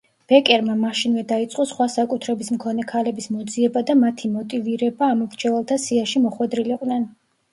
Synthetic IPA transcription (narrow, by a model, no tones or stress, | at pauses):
b̥ɛkʼɛɾmamaʃinvɛd̪ait̪sʼqʼɔsχwasakʼut̪ʰɾɛbismkʰɔnɛkʰalɛbismɔd̪ziɛbad̪amat̪ʰimɔt̪ʼiviɾɛbaːmɔmɾt͡ʃʰɛvɛlˠt̪ʰasiaʃimɔχwɛd̪ɾiliqʼnɛn